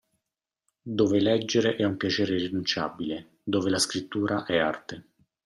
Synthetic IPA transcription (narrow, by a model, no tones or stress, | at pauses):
d̪oːvelɛd͡ʒːeɾeʔɛumpjat͡ʃɛːɾerinunt͡ʃa̰bile | d̪oːvelaskɾit̪ːuːɾʔaʔɛart̪e